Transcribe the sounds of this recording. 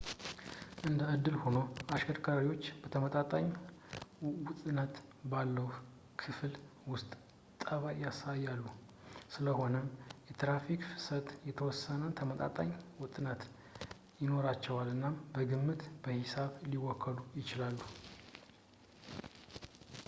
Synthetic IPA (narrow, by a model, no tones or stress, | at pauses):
ʔɨnd̪əɨd̪ːɨlho̞no̞aʃkʰəɾkʰəɾaiwo̞t͡ʃːbət̪ʰəmət̪ʼat̪ʼaɲ | wʊt̪ʼnət̪balːəh | kʰɨfl | wʊst̪ʼ | t̪ʼəβajasajːalːu | sɨləɦo̞nəmjɛt̪ɾafikfɨ̥sət̪jɛt̪ʰəwɔsːənət̪ʰəmət̪ʼa̰t̪ʼa̰ɲwʊt̪ʼɨnət̪ | jɪno̞ɾat͡ʃːɛwalɨnːabəɡɨmːɨt̪b̥əhɪsaβliwːɔkʰːəlujɪt͡ʃɪlalːu